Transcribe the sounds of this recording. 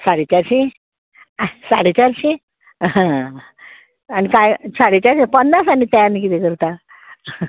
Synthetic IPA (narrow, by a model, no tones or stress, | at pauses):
saɽit͡ɕaɾɕĩ | saɽet͡ɕaɾɕĩ | ã | anikajsaɽet͡ɕaɾɕipənːasanit̪ajanik̬it̪ɛkəɾt̪a